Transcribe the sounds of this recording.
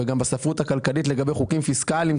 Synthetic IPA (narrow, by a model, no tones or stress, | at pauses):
eɡambasafʁut̪hakalkalit̪le̞ɡabejχukimfiskalim